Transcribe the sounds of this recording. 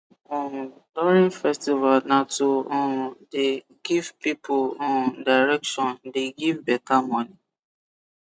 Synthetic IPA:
ɔ̃ | dɔɹĩnfɛstivalnatoɔ̃de | ɡ̥ivpipʰolɔ̃daɪɹɛkʃɔ̃ndeɡivbɛkamɔ̃ni

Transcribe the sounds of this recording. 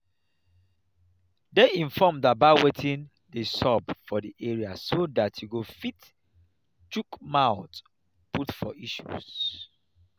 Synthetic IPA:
deĩɱfɔmdat̚baɪwetʰĩn | desɔbfɔdiʔɛɹiasodatʰjuɡofit | t͡ʃukmaʊt | putfɔ̰ʔiʃṵz̥

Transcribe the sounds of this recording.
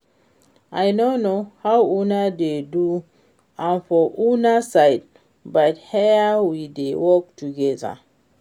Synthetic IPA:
ʔajnonohawunadedu | ãnfɔʔunasajd̚ | bathɛawidewɔk̚tuɡɛza̰

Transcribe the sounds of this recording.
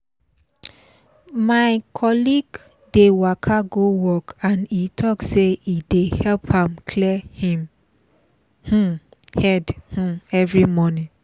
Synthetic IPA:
maɪkʰɔliɡ | dewakʰaɡowɔkãnitʰɔkseidehɛlphãmkʰlihĩm | h̩hɛdh̩ɛvɹimɔnĩ

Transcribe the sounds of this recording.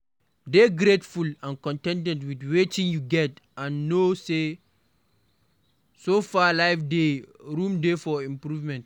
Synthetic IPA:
deɡɾetfulãnkɔ̃ntɛ̃ndɛ̃ntwidwetĩŋjuɡɛtãnːose | sofalaɪfdeɾũmdefɔĩmpɾuvmɛ̃nt

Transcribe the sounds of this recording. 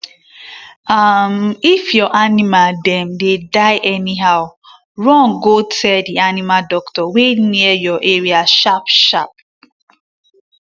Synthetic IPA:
amifjɔʔanimaldɛ̃mdedaɪʔɛniɦaʊ | ɹɔ̃ŋɡotʰɛldianimadɔktɔweniɛjɔʔeɹiaʃapʃap̚

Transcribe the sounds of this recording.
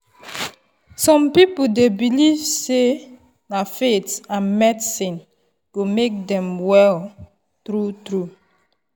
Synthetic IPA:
sɔ̃mpipl̩debilivse | nafetsãnmɛdsĩn | ɡ̥omek̚dɛ̃mwɛl | tɾutɾu

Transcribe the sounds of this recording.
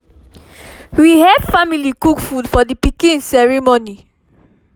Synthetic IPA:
wihɛdfamilikukfudfɔdipikĩnsɛɹimoni

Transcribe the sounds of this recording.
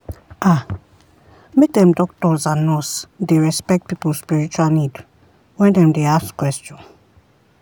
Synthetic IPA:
ʔa | mek̚dɛ̃mdɔk̚tɔzãnɔsdeɹɛspɛk̚t̚pipulspiɹit͡ʃualnid | wɛ̃ndɛ̃mdeaskwɛstɔ̃n

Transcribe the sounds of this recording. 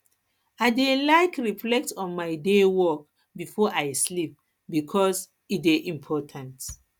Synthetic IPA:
aɪdelaɪkɹiflɛk̚tɔ̃nmaɪdewɔk̚ | bifɔʔaɪslip̚ | bikʰɔs | ideʔĩmpʰɔtʰãnt

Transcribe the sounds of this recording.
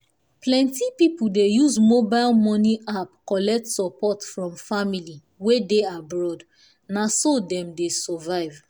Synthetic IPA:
plɛ̃ntipipuldejuzmobaɪlmɔniʔapkɔlɛk̚tsɔpɔtfɹɔ̃mfamili | wedeabɹɔd | nasodɛ̃mdesɔvaɪv

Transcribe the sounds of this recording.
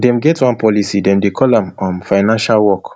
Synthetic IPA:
dɛ̃mɡɛtwãnpɔlisidɛ̃mdekʰɔlãmɔ̃nfaɪnãnʃalwɔk

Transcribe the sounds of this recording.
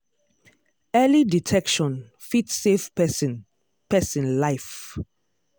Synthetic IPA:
ɛliditʰɛkʃɔ̃n | fitsefpɛsĩn | pɛsĩnlaɪf

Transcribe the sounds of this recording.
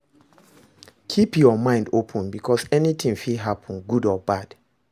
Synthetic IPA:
kʰipjɔmãɪ̃ndopʰə̃nbikʰɔsɛnit̪ʰĩŋfilɦapʰə̃nɡudɔbad̥

